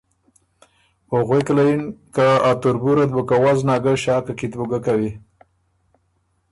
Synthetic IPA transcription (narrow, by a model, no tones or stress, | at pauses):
oɣweklajinkaat̪ʊɾbuɾad̪̚bukawaznɑɡəʃɑːkakit̪buɡakawi